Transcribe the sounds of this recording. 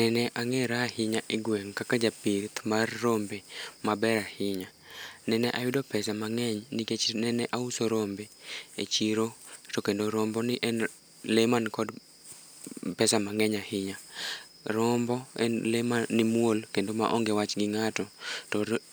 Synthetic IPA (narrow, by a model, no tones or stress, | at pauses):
nɛnɛʔaŋɛɾahɪɲaʔɪɡwɛŋkakad͡ʒapit̪marːombemabɛɾahɪɲa | nɛnɛʔawɪdopɛsamaŋɛɲniket͡ʃnɛnɛʔausoɾombeet͡ʃiɾotɔkendoɾɔmbɔnɪʔɛn | lemankɔd | pɛsamaŋɛɲahɪɲa | ɾɔmbɔɛ̰lemanɪmwolkendoma̰ʔɔŋɡewat͡ʃɡɪŋatɔtɔ